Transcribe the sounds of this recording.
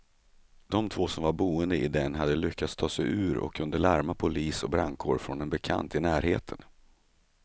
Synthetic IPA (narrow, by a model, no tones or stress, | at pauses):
d̪̥ɔmt̪ʰvoːsɔmvaɾbuːənd̪əɪd̪ɛnɦad̪ːəlʏkːat̪st̪ʰɑːsɛjʉ̟ːɾɔ̰kʰːɵnd̪əɭaɾmapʰʊliːsɔbɾaŋkʰoːɾfɾɔnɛnbɛkʰa̰nt̪ɪnæːɾheːt̪ʰən